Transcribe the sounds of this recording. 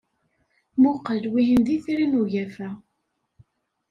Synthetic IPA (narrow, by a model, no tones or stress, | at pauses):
mʊqəlwiɦənðiθɾinuʝæfæ